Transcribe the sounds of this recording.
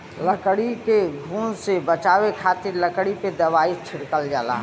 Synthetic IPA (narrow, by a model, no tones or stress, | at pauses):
ləkɽikeɡʱũːnsebət͡ʃaːʋekʰaːt̪ɪɾləkɽiped̪ɐʋaːit͡ʃʰɪɽkəld͡ʒa̰ːla̰ː